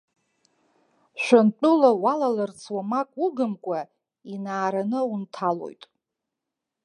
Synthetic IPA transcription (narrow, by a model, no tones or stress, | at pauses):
ʃʷᶣantʷʼʊlawalalart͡sʰwamakʼuɡɨmkʷʼa | inaːɾanɨuntʰalo̞̰jtʼ